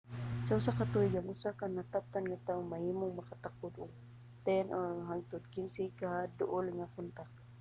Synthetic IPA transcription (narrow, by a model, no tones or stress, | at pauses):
saʊsakːat̪uɪɡaŋʊsakaŋnat̪ap̚t̪anŋat̪aʊŋmahimʊŋmakat̪akʊd̪ʊɡ̚ | t̪ɛnʔoɦaŋt̪ʊd̪̚kɪnsikaɦad̪ʊʔʊlŋakʊnt̪ak̚